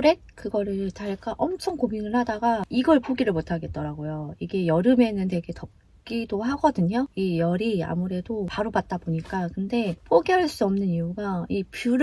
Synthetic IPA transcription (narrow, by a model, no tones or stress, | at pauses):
ɾe̞t̚kɯɡʌɾɯɭtaɭk͈aʔʌmt͡ɕʰʌŋkominɯɭhadaɡaiɡʌɭpoɡiɾɯɭmotʰaɡe̞t̚t͈ʌɾaɡojoiɡe̞jʌɾɯme̞nɯnte̞ɡe̞tʌp̚ | k͈idoɦaɡʌdɯɲoijʌɾia̰muɾe̞dopaɾobat̚t͈aboɲik͈akɯnde̞poɡiɦaɭs͈uʌmnɯniuɡaipjuɾ